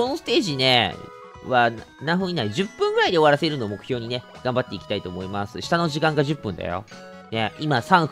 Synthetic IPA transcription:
ono̞sɨ̥t̪e̞ːʑine̞̰ | βa | nãɰ̃ɸɯ̃ɲinaiʑɨpːɯ̃ŋɡɯ̟ɾaid̪e̞o̞βaɾase̞ɾɯ̟no̞ːmo̞kɯ̟çʲo̞ːɲ̟ine̞ | ɡ̥ãmbat̪ːe̞ikʲi̥t̪ait̪o̞ːmo̞imasɨɕi̥t̪ano̞ʑikãŋɡaʑɨpːɯ̟̃nd̪a̰jo̰ | ne̞imasãɰ̃

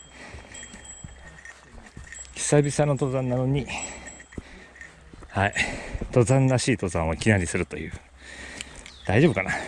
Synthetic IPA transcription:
kʲi̥sabʲisãnːot̪o̞ːzãnːano̞ɲ̟i | hait̪o̞ːzãnːaɕiːt̪o̞ːzãɰ̃oikʲinaɾʲisɨɾɯ̟t̪o̞̰jɯ̟̰ː | d̪̥aiʑo̞ːbɯkana

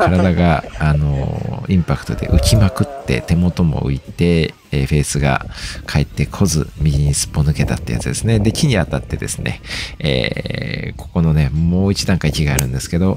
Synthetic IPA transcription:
kʰaɾad̪aɡaːno̰ĩmpakɯ̟̥t̪o̞d̪e̞̰ʔɯ̟kʲimakɯ̟t̪ːe̞̰t̪e̞mo̞t̪o̞mo̞̰ɯ̟̰it̪e̞ | ɸe̞ːsɨɡa̰kʰaet̪ːe̞kʰo̞zɨ̰mʲiɾʲiɲ̟isɨ̥pːo̞nɯ̟ke̞t̪at̪ːeja̰t͡sɨd̪e̞sɨne̞d̪e̞kʲiɲ̟iat̪at̪ːe̞d̪e̞̰sɨne̞̰ḛː | kʰo̞̥ko̞no̞ne̞moːit͡ɕid̪ãŋkaikʲiɡaːɾɯ̟̃nd̪e̞sɨ̥ke̞d̪o̞

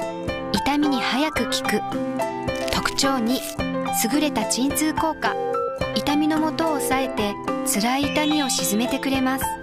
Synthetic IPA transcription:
it̪amʲiɲ̟ihajakɯ̟kʲi̥kɯ̟ | t̪o̞kɯ̟̥t͡ɕo̞ːɲ̟i | sɨɡɯ̟ɾe̞t̪at͡ɕĩnt͡sɨːko̞ːkait̪amʲino̞mo̞t̪o̞ːsae̞t̪e̞t͡sɨɾaiːt̪amʲio̞ɕizɨme̞t̪e̞kɯ̟ɾe̞masɨ̥

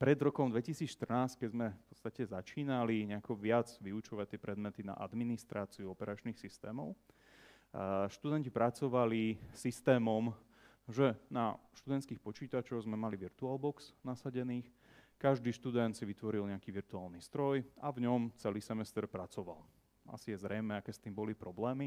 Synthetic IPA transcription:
pɾɛd̪ɾɔkɔmd̪ʋɛcisiːt͡sʃt̪r̩naːsc̚kɛzmɛfpɔ̥tt͡st̪acɛzat͡ʃiːnaliɲɛakɔʋɪad͡zʋiut͡ʃɔʋac̚t̪ːɪɛpɾɛd̪mɛt̪ina̰ʔa̰d̪minist̪ɾaːt͡siuɔpɛɾat͡ʃnixsist̪ɛːmɔʊ | ʃt̪ud̪ɛncipɾat͡sɔʋalisist̪ɛːmɔm | ʒɛnaʃt̪ud̪ɛnt̪skiːxpɔt͡ʃiːt̪at͡ʃɔwzmɛmaliʋiɾt̪uaːlbɔksnasaɟɛniːx | kaʒd̪iːʃt̪ud̪ɛnt̪siʋit̪ʋɔɾilɲɛakiʋiɾt̪uaːlˠnist̪ɾɔjavɲɔmt͡sɛliːsɛmɛst̪ɛɾpɾat͡sɔʋa̰l | ʔa̰sijɛzɾɛjmɛakɛːst̪iːmbɔlipɾɔblɛːmi

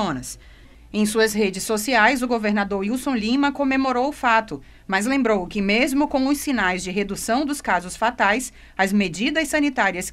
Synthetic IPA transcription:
õnɐs | ẽj̃suɐsɦed͡ʒɪsːosiajzʊɡoveɾnad̪oɾiwsõlĩmɐkõmemoɾowʊfat̪ʊ | mɐzlẽmbɾowkɪmezmʊkõʊsːinajzd͡ʒɪɦed̪usɐ̃w̃d̪ʊskazʊsfat̪ajs | ɐzmed͡ʒid̪ɐsɐ̃nit̪aɾiɐs

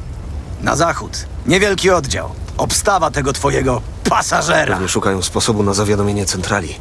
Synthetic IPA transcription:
na̰zaxut̪ɲɛvʲjɛlkʲiɔd̪d͡ʑa̰wɔpst̪avat̪ɛɡɔt̪fɔjɛɡɔ | pʰasaʐɛɾua̰vɲɛʂːukajɔ̃w̃spɔsɔbunazavʲjad̪ɔmʲjeɲɛt̪sɛnt̪ɾalʲḭ

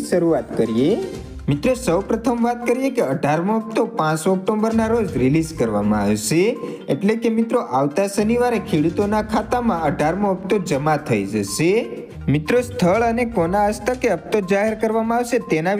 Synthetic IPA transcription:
ʃəɾuat̪kəɾije | mɪt̪ɾosəwpɾət̪ʰəmʋat̪kəɾijekeəɖʱaɾməəp̚t̪opãt͡ʃɔk̚ʈombəɾnaɾod͡ʒɾilid͡ʒkəɾʋa̰mãaʋʃe | eʈlekemɪt̪ɾoʔaʋt̪asəniʋaɾekʰeɽut̪onakʰat̪amãəɖʱaɾməəp̚t̪od͡ʒəmat̪ʰəid͡ʒəʃe | mɪt̪ɾost̪ʰəɭənekonaəst̪əkeəp̚t̪od͡ʒaɦeɾkəɾʋamãaʋʃet̪ena

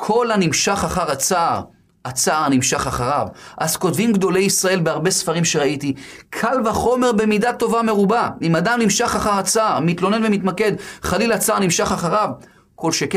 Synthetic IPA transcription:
kʰo̞lanimʃaχaχaʁat͡saʔːʁ | at͡saːʁnimʃaχaχaʁavʔazko̞tvimɡd̪o̞lejisʁae̞lbeaʁbe̞sfaʁimʃe̞ʁaiti | kʰalvaχo̞me̞ʁbe̞midat̪ːo̞vame̞ʁubaimadamnimʃaχaχaʁat͡saːʁmit̪lo̞nenvemit̪make̞d̪χalilat͡saaʁnimʃaχaχaʁav | ko̞lʃeke

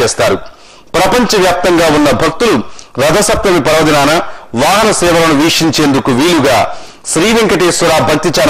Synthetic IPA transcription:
ɛːst̪aːɾu | pɾɐpɐɲt͡ʃɐʋjaːp̚t̪ɐŋɡaːunːɐbʱɐk̚t̪uluɾɐd̪ʱɐsɐp̚t̪ɐmipɐɾɐʋɐd̪inaːnɐʋaːɦɐnɐsɛːʋɐlɐnuʋiːkʂiɲt͡ʃeːnd̪ukuʋiːluɡaː | ʃɾiːʋiŋkɐʈeːsuɾaːbʱɐk̚t̪it͡ʃaːɾ

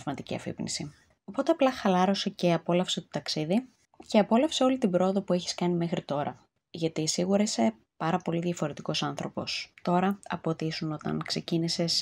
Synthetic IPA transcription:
vmɐt̪icḭɐ̰fḭpnḭsi | o̞po̞t̪eɐplɐxɐlɐɾo̞se̞ce̞ɐpo̞lɐfse̞t̪ot̪ɐksiði | ce̞ɐpo̞lɐfseo̞lit̪ibɾo̞oðo̞pue̞çi̥skɐnime̞xɾit̪o̞ɾɐ̰ | ʝɐt̪isiɣuɾɐise | pɐɾɐpo̞liðʝɐfo̞ɾe̞t̪iko̞sɐnθɾo̞po̞st̪o̞ɾɐɐ̰po̞t̪isuno̞t̪ɐ̰nkse̞cinises

